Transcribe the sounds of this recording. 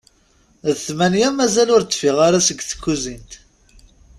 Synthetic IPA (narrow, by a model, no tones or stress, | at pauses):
ðθmænjæmæzælʊɾt̪ːˤfɪʁaɾasəɡθə̥kːuzint̪